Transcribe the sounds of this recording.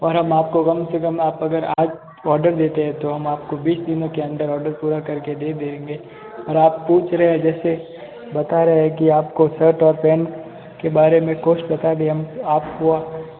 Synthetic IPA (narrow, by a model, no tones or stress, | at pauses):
ɔːɾɦɐmaːp̚kokɐmsekɐmaːpɐɡəɾaːd͡ʒ | ɔːɾɖəɾd̪eːt̪eɦɛ̃t̪oɦɐmaːp̚kobiːsd̪ɪnõkeɐ̃nd̪əɾɔːɾɖəɾpuːɾakɐɾked̪eːd̪eːẽːŋɡe | ɔːɾaːpːuːt͡ʃʰɾɐɦɛ̃d͡ʒɛːse | bɐt̪aɾɐɦɛkiaːpkosəɾʈɔːɾpɛːn | kebaːɾemẽkoːʃbɐt̪ad̪eɦɐmaːpɦua